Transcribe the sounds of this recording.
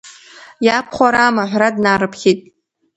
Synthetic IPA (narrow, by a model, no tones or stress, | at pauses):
japʰχʷaɾamaʕʷradnaɾɨpʰχʲitʼ